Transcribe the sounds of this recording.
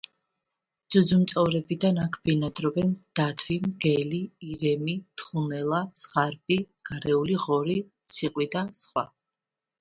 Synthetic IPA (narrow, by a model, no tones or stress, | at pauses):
d̪z̥ud̪zumt̪sʼɔvɾɛbid̪anakʰbɛnad̪ɾɔbɛnd̪̥at̪ʰwimɡɛliːɾɛmit̪ʰχunɛlˠasʁaɾbi | ɡ̥aɾɛuliʁɔɾit̪sʰiqʼwid̪asχwa̰